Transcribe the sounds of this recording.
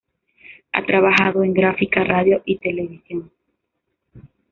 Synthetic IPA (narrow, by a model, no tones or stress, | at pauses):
a̰t̪ɾaβaxaðoe̞ŋɡɾafikaraðjoʔit̪e̞le̞β̞isjoŋ